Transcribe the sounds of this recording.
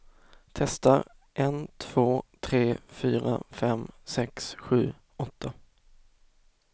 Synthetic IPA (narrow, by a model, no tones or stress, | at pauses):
t̪ʰɛst̪aɾʔɛnt̪ʰv̥oːt̪ʰɾeːfyːɾa̰fɛmsɛksɧʉ̟ː | ɔt̪ːa